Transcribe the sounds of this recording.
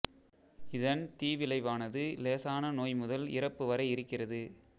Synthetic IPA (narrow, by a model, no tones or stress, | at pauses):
ɪðɐnt̪iːʋɪlɐɪʋaːnɐðɯleːsaːnɐnoːjmʊðɐlɪ̰rɐpːɯʋɐɾɐɪɪɾɯkːɪrɐðɯ